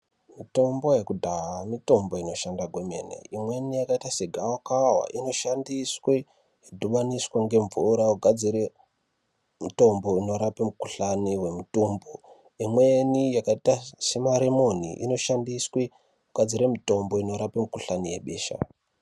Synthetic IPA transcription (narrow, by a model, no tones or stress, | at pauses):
mito̞mbo̞je̞kudʱaɦamito̞mbo̞ino̞ʃandaɡʱweme̞̰nḛimwe̞nijakaitase̞ɡʱaokawa̰ʔino̞ʃandiswi | ɦidʱuɓaniswaŋɡe̞ɱvuɾauɡʱad͡ziɾe | mito̞mbo̞ino̞ɾapemukuɬaniwe̞mutuːmbo | imwe̞nijakaitase̞maɾemo̞nḭʔḭno̞ʃandiswi | uɡ̥ʱad͡ziɾe̞mito̞mbo̞ino̞ɾapemukuɬanije̞̰ɓe̞ːʃa̰